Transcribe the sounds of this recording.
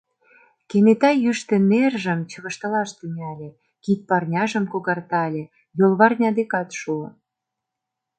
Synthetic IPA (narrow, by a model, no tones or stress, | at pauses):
kenet̪ɑjyʃt̪ĕnerʒə̆mt͡ɕə̆ɣə̆ʃt̪ɤ̆lɑʃt̪ənʲɑlʲĕ | kit̪̚pɑrnʲɑʒə̆mkoɣɑrt̪ɑlʲe | jolβɑrnʲɑd̪ekɑt̪ʃuo